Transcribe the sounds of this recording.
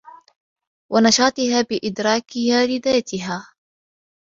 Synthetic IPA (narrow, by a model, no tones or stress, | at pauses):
wʔanɑʃɑːt̪ˤɨhaːbɪʔɪd̪ɾˤɑːkɪhaːlɪðaːt̪ɪɦaː